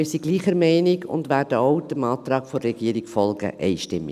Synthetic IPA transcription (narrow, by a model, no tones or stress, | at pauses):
ɪsiɡ̥liːχəɾmɛɪnɪɡʊ̰ndʋæːɾd̥əoʊd̥əmɑːt̪rɑːkfoːɛɡ̥iːəɾiɡfɔlɡə̰ʔɛ̰ɪʃtɪmːɪ̰